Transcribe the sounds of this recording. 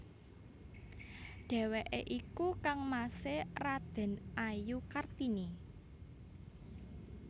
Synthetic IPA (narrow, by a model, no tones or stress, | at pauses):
ɖ̥ɛ̤weʔeʔikukaŋmaserad̪̥ɛ̤nʔajukart̪ini